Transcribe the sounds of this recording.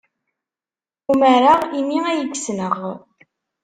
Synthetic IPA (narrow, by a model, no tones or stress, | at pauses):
uməɾaʁimiæjəɡsnəʁ